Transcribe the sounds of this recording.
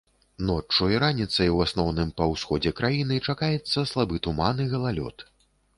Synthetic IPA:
nɔt͡ʂːuiɾanʲit̪sɐjwasnɔwnɨmpɐwsxɔd͡zʲɛkɾajinɨt͡ʂakajɛt̪sːɐslˠabɨt̪umanɨɣɐlˠalʲɔ̰t̪

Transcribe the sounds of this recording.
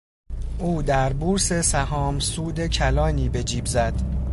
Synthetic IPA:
ʔuːd̪æɾbuɾse̞sæhɒːmsuːd̪e̞cʰælɒːniːbe̞d͡ʒiːbzæd̪̥

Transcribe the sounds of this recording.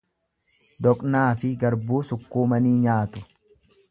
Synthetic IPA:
d̪ɔkʼnaːfɪɡɐɾbuːsʊkːuːmɐniːɲaːt̪ʊ̥

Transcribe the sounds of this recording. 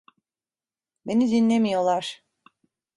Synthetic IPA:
be̞nizinlʲe̞mijo̞lˠaɾ̥

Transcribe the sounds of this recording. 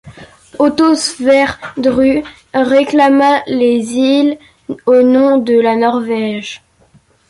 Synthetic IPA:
ot̪osfɛʁd̪ʁy | ʁeklamalezil | onɔ̃d̪əlanɔʁvɛʒ

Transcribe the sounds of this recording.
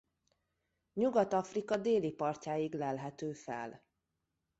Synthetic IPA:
ɲuɡɒt̪ɒfrikɒd̪eːlipɒrcaːjiɡlɛlɦɛt̪øːfɛ̰l

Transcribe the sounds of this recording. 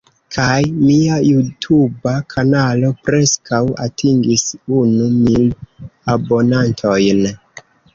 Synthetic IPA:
kʰajmiajutʰubakʰanalo̞pɾe̞skawa̰tʰiŋɡisunumilabo̞nantʰo̞jn

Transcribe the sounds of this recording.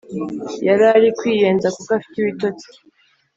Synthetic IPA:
jaɾaɾikwiːje̞ːnzakukafi̥tiβitot͡si̥

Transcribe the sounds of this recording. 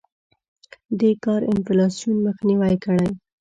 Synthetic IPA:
d̪ekɑɾɪnflɑsijunməxniwajkəɽaj

